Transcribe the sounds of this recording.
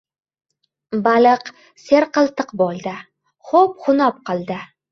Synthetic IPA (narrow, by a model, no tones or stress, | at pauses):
balɨq | seɾqɨlˠt̪ɨqbolˠd̪ɪ | χop̚χʊnɒp̚qɨlˠd̪ɪ